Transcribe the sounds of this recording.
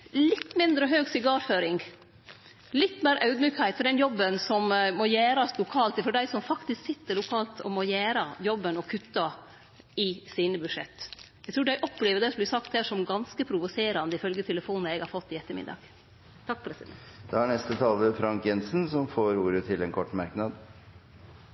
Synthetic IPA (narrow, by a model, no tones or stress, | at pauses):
lɪt̪ːmɪnd̪ɾəɦøːɡsɪɡɑːɾføːɾɪŋ | lɪt̪ːmeːɾʔɑʉd̪myːkhæɪt̪fɔɖɛnjɔbːənsɔmmɔjæːɾɑslʊkʰɑːlt̪ɪfɔɖæɪsɔmfɑkt̪ɪsksɪt̪ːəɾlʊkʰɑːlt̪ʰɔ̰mɔjæːɾɑjɔbːənɔkʰʉt̪ːɑ | ɪsiːnəbʉd̪ʂɛ̰t̪ːjæɪt̪ʰɾuːɖæɪʔɔpːleːʋəɖ̪ɛsɔmblɪsɑk̚t̪hæːʂɔmɡɑnskəpʰɾʊʋʊseːɾɑnd̪əɪfœlɡət̪ʰɛləfuːnnəɛɡhɑɾfɔt̪ːɪɛt̪ːəɾmɪ̰d̪ɑ̰ːɡ̥ | t̪ʰɑk̚ːpʰɾɛsɪd̪ɛd̪̥ɛhɑɳɛst̪ət̪ʰɑːləfɾɑŋkjɛnsnsɔmfoːɾuːɾət̪ʰɪlɛnkʰɔʈːmɑɾknɑd̪